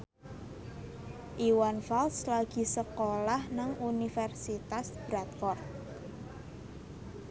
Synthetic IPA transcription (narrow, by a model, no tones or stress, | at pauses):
ʔiwanfalslaɡ̥i̤səkolahnaŋunifɛrsit̪asb̥ɾat̪̚kɔrt̪̚